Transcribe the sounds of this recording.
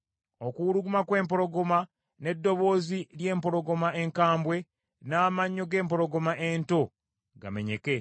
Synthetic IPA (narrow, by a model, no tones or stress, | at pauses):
okuɾuɡumakwe̞ːmpo̞ɾo̞ɡo̞ma | ne̞dːo̞βo̞ːzilje̞ːmpo̞ɾo̞ɡo̞mae̞ŋkaːmbwe̞ | naːmaɲːoɡe̞ːmpo̞ɾo̞ɡo̞maʔento̞ | ɡa̰me̞ɲe̞ke̞